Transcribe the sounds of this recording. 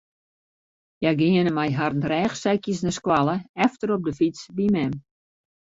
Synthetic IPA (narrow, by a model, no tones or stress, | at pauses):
jaɡɪənəmajɦarn̩rɛːxsɛkjəsnəskwalˠəɛftəɾɔp̚dəfit͡sbimɛm